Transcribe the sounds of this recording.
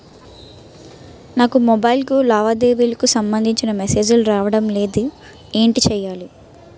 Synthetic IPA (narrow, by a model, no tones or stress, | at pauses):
naːkumɔbɐjlkulaːʋaːd̪eːʋilɐkusɐmbɐnd̪ʱiɲt͡ʃinɐmɛse̞ːd͡ʒuluɾaːʋɐɽɐmle̞ːd̪i | eːɳʈit͡ʃɛːjːaːli